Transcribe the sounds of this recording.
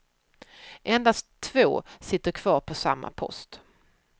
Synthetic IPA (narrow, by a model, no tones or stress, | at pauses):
ʔɛnd̪ast̪ʰːvoːsɪt̪ːəɾkʰv̥ɑːɾpʰɔsa̰mːa̰pʰɔ̰st̪